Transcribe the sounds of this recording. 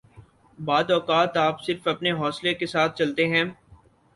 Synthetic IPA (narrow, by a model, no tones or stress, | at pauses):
baːd̪ɔːkaːt̪aːpsɪɾfɐpneɦɔːslekesaːt̪̚ʰt͡ʃɐlt̪eɦɛ̃ː